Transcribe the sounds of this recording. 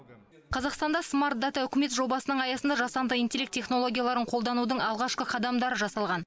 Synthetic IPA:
qʰɑzɑqst̪ɑnd̪ɑsmaɾt̪̚d̪at̪aʏkʲɪme̞t̪ʒo̞bɑsənəɴɑjɑsənd̪ɑʒɑsɑnd̪əint̪ʲe̞lʲekt̪ʲʰːeχno̞lˠo̞ɡʲjalˠɑɾəɴqʰolˠd̪ɑnud̪əɴɑlˠʁɑʃqəqʰɑd̪ɑmd̪ɑɾəʒɑsɑlˠʁɑn

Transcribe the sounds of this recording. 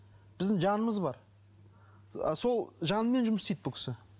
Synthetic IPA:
b̥ɪzd̪ɪŋʒɑnəməzbɑɾ | so̞lˠʒɑnəme̞nʒʊməst̪ejt̪̚bʊkʲɪ̥sɪ

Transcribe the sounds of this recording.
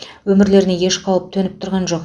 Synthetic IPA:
wɵmɪɾle̞ɾɪneje̞ʃqʰɑlˠəp̚t̪ʰɵnɪp̚t̪ʰʊɾʁɑnʒo̞q

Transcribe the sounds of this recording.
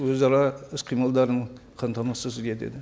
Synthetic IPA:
wɵzɑɾɑɪsqʰijmɑlˠd̪ɑɾəɴ | qʰɑnt̪ʰɑmɑsəsɪd̪et̪ḛd̪ɪ

